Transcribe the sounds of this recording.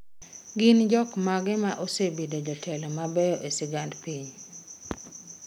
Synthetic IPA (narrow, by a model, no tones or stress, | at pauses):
ɡɪnd͡ʒɔkmaɡɪmaʔosebedod͡ʒɔtʰɛlɔmabɛjɔʔesɪɡandpiɲ